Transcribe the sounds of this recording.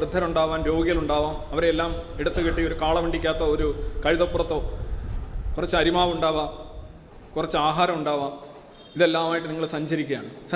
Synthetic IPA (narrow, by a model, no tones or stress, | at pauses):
rɨd̪ʱːɐɾɐmuɳɖaːʋaːnɾo̞ːɡijɐluɳɖaːʋaːmɐʋɐɾeelːaːmeɽut̪ːɨkeʈːio̞ɾukaːɭɐʋeɳɖikʲːaːt̪ːɐoɾukɐɻiðɐpːurɐt̪ːo̞ː | kurɐt͡ɕːɨɐɾimaːʋuɳɖaːʋaːm | kurɐt͡ɕːaːɦaːɾɐmuɳɖaːʋaːm | iðe̞lːaːmaːjiʈːɨniŋːɐɭesɐɲd͡ʑɐɾikʲːɐjaːɳɨsɐ